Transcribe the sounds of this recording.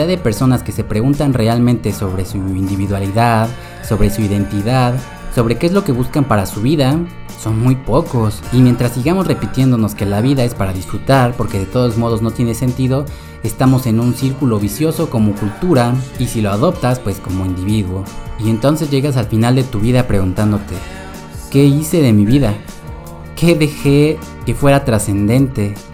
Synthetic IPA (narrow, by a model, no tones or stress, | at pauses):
aðepe̞ɾso̞naske̞se̞pɾe̞ɣunt̪anre̞almẽnt̪e̞so̞βɾe̞suind̪iβiðwaliðað | so̞βɾe̞suiðe̞nt̪iðað | so̞β̞ɾe̞keezlo̞ke̞βuskampaɾasuβiða | so̞nmujpo̞ko̞simje̞nt̪ɾasːiɣamo̞zre̞pit̪je̞nd̪o̞no̞ske̞laβiðae̞spaɾaðisfɾut̪aɾpo̞ɾke̞ðe̞t̪o̞ðo̞zmo̞ð̞o̞zno̞t̪je̞nese̞nt̪iðo̞ | est̪amo̞se̞nũnsiɾkulo̞βisjo̞so̞ko̞mo̞kult̪uɾaisilo̞aðo̞p̚t̪aspwe̞sko̞mo̞ind̪iβiðwo̞ie̞nt̪o̞nse̞zʝe̞ɣas̬alfinald̪e̞t̪uβiðapɾe̞ɣunt̪and̪o̞t̪e̞ | ke̞ise̞ðe̞miβiða | ke̞ðe̞xe̞ | ke̞fwe̞ɾat̪ɾase̞nd̪e̞nt̪e̞